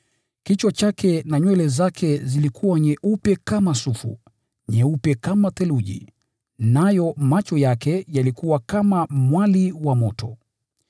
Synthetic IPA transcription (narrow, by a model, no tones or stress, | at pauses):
kit͡ʃwat͡ʃakʰɛnaɲwɛlɛzakʰɛzilikʰuwaɲɛʔupɛkamasufṵ | ɲɛupɛkamat̪ɛluʄḭ | najɔmat͡ʃɔjakɛjalikuwakamamwaliwamɔtʰɔ